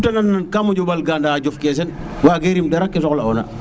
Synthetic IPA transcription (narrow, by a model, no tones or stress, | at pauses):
tɐnɐnːɐnkamuɟɔbɐlɡaːndaːɟɔfkɛːs̬ɛn | waːɡeɾimdɛɾɐkːɛsɔklɐɔːnɐ̰